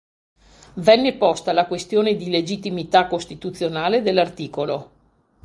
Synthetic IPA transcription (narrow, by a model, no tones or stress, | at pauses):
vɛnːepɔst̪alakwest̪joːned̪iled͡ʒit̪ːimit̪akːost̪it̪ut̪sjonaːled̪elːart̪iːkolo